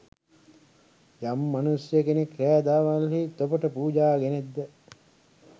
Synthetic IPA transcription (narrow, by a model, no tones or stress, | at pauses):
jamːanusjəkenekɾæːd̪aːʋalɦit̪opəʈəpuːd͡ʒaːɡened̪ːə